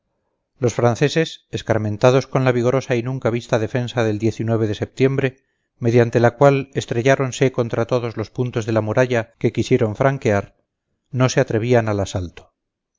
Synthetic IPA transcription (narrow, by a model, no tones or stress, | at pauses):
lo̞sfɾanθe̞se̞seskaɾmẽ̞nt̪að̞o̞sko̞nlaβiɣ̞o̞ɾosainũŋkaβist̪aðe̞fe̞nsaðe̞ld̪je̞θinwe̞β̞e̞ðe̞se̞p̚t̪je̞mbɾe̞ | me̞ðjant̪e̞lakwale̞st̪ɾeʝaɾo̞nse̞ko̞nt̪ɾat̪o̞ðo̞zlo̞spunt̪o̞zðe̞lamuɾaʎake̞kisje̞ɾo̞ɱfɾaŋke̞aɾ | no̞se̞at̪ɾe̞β̞ianalasalt̪o̥